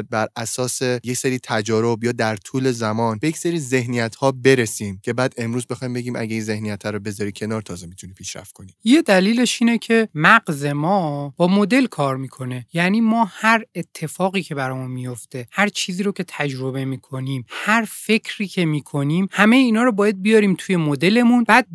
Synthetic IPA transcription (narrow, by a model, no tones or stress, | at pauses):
d̪̚bæɾʔæsɒːse̞jecseɾiːt̪ʰæd͡ʒɒːɾo̞bjɒːd̪æɾt̪ʰuːle̞zæmɒːnbejecseɾiːze̞hnijæt̪hɒːbe̞ɾesiːmcʰe̞bæːd̪e̞mɾuːzbe̞xɒːjmbe̞ɡiːmʔæ̰ɟeiːnzehnijæt̪ʰhæɾobe̞zɒːɾiːcʰe̞nɒːɾt̪ʰɒːzemit̪ʰuniːpʰiːʃɾæ̰ft̪̚kʰo̞nijed̪æliːle̞ʃiːnecʰe̞mæɢze̞mɒːb̥ɒːmo̞d̪e̞lkʰɒːɾmiːkʰo̞ne̞jæːniːmɒːhæɾe̞t̪ʰːe̞fɒːɣiːcʰe̞bæɾɒːmunmijo̞ft̪e̞hæɾt͡ʃʰiːziːɾocʰe̞t̪ʰæd͡ʒɾo̞be̞miːkʰo̞niːmhæɾfe̞cʰɾiːcʰe̞miːkʰo̞niːmhæme̞jeiːnɒːɾobɒːjæd̪̚bijɒɾiːmt̪ʰuːje̞mod̪e̞le̞munb̥æːd̪̚